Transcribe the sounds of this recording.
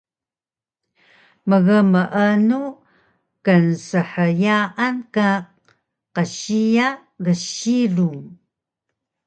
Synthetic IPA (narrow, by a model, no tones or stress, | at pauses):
məɣəməʔənu | kənsəħəjaʔanka | qəɕija | ɣəɕiruŋ